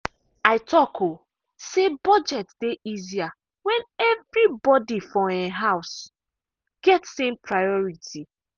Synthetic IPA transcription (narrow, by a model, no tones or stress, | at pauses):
aɪtʰɔkʰo | sebɔd͡ʒɛtd̥eizia | wɛ̃nɛvɾibɔdifɔeɦaʊs | ɡ̥ɛtsẽmpʰɹajɔɹitʰi